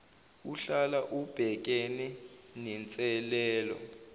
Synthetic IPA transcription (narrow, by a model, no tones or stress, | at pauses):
uɬalaʔub̥ʱɛk̬enɛ | nɛnt͡sʼɛlɛːlɔ̰